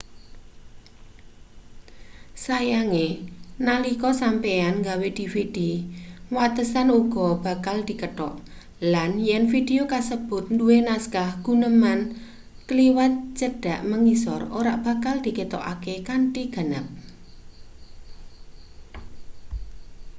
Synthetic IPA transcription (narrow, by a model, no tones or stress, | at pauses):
sajaŋenalikɔsampeanŋɡawed̪̥i̤fid̥iwat̪əsanuɡ̥ɔ̤b̥a̤kald̪̥i̤kəʈɔ̰ʔ | lanjɛnfideokasəb̥ʊ̤t̪̚nduwenaskahɡ̥unəman | kəliwat̪̚d͡ʒ̥əɖ̥a̤ʔməŋisɔroɾaʔb̥a̤kald̪̥i̤ket̪ɔ̰ʔakekaɳʈiɡ̥ə̤nəp̚